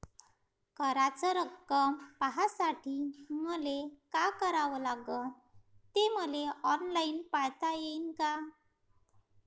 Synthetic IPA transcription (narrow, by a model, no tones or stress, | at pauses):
kəɾat͡səɾəkːəmpaɦasaʈiːməlekakəɾaʋəlaɡən | t̪eməleɔnlainpajt̪ajeinka